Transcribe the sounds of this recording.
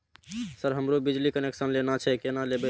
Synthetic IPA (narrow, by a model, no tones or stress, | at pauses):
səɾɦəmɾobid͡ʒlikəneksənlenat͡ʃʰɛkenalebɛ